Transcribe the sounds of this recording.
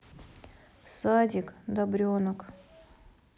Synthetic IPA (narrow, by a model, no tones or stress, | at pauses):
sadʲɪkd̪ɐbɾʲonək